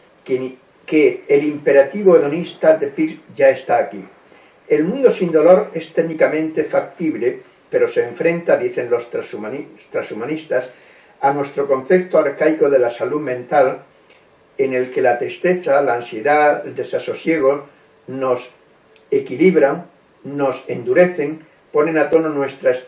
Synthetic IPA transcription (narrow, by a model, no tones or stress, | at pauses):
keːlimpe̞ɾat̪iβoeðo̞nist̪aðepiɾʝae̞st̪aːki | e̞lmũnd̪o̞sind̪o̞lo̞ɾe̞st̪eɣnikamẽ̞nt̪e̞fak̚t̪iβle | pe̞ɾo̞se̞ːɱfɾe̞nt̪aðiθe̞ŋlo̞st̪ɾasumst̪ɾasumanist̪as | anwe̞st̪ɾo̞kõ̞nθe̞k̚t̪oaɾkajko̞ðe̞lasaluðmẽ̞nt̪al | e̞ne̞lke̞lat̪ɾist̪e̞θalaːnsje̞ðaeld̪e̞saso̞sje̞ɣ̞o̞ | no̞s | e̞kiliβɾaŋ | no̞se̞nd̪uɾe̞θe̞ŋ | po̞nẽ̞nat̪o̞nonwe̞st̪ɾas